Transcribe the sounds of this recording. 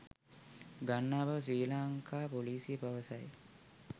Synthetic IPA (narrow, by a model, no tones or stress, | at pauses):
ɡanːaːbɐʋsiːlaːŋkʰaːpoliːsijəpɐʋɐsɐj